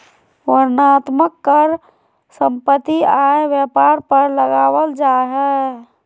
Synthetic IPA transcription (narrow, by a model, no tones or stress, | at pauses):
wəɾnat̪məkːəɾ | sə̃mpət̪ːiaeʋjəpaɾpəɾləɡaʋəld͡ʒaɦɛ